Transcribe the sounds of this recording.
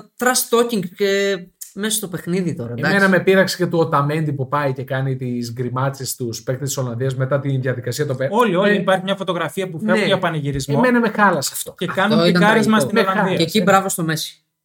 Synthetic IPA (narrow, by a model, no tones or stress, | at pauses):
t̪ɾɐst̪ociŋɡcemesost̪o̞pe̞xniðit̪o̞ɾɐiɐmenɐmepiɾɐksi̥ce̞t̪uot̪ɐme̞nd̪ipupɐjce̞kɐnit̪izɡɾimɐt͡sest̪uspekt̪est̪i̥so̞lɐnðiɐzme̞t̪ɐt̪inðjɐðikɐsiɐt̪opeo̞lio̞liipɐɾçimɲɐfot̪o̞ɣɾɐfiɐpukɐuʝɐpɐneʝiɾizmomenɐmexɐlɐsɐft̪oe̞kɐnunikɐɾizmɐst̪inolɐnðiɐecibɾɐvost̪omesi̥